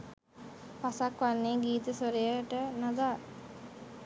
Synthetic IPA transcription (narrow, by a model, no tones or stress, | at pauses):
pasakʋanːeːɡiːt̪əsoɾejəʈənad̪aː